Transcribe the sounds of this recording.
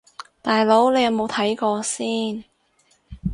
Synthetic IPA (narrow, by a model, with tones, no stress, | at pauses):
t̪aː˨jlo˨˥wle˨˧jɐ˨˧wmo˨˧wt̪ʰɐ˨˥jkɔː˧siː˥˩n